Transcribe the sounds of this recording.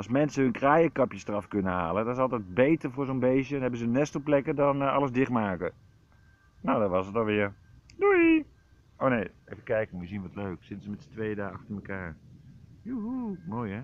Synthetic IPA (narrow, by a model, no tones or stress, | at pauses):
lˠsmɛnsəɦɵnkraːjəkɑpjəstrɑfkɵnəɦa̰ːlədɔnɪs̬ɑlˠtɛjd̚bejtəɹvʊːɹzonbejʃənnɦɛbənzənɛstəplɛkədɑnɑ̰ləzdɪχmaːkə | nowdɑnʋɑsətɑlˠʋɪːəɹ | dui | ʔownejejvəkɛjkəmjəzinʋɑtløɥksɪtənzəmɛtsə̥tʋejdaːɑxtəməkaːɹ | juɦumoːjɛ